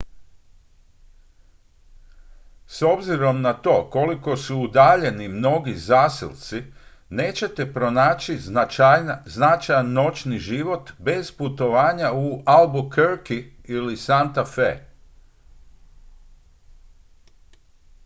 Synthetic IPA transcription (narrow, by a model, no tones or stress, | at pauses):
so̞bziɾo̞mnat̪o̞ːko̞liko̞suːd̪aːʎe̞nimno̞ɡizaːsḭlt̪si | ne̞ːt͡ɕe̞t̪e̞pɾo̞naːt͡ʃiajznat͡ʃajanːo̞t͡ʃniʒiʋo̞t̪be̞z̥put̪o̞ʋaːɲaualbukeɾkiilisant̪afḛ